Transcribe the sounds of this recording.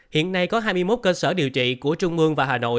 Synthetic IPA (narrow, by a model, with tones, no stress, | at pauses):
hḭ˧˨ənːa˧jkɔ˨˦ɦaː˧jmɨ˧əjmo˦˥t̚kəː˧səː˧˩ɗi˨˩əwt͡ɕḭ˧˨ku˧˩ət͡ɕʊ˧ŋ͡mʔɨ˧əŋvaː˨˩ɦaː˨˩no̰˧˨j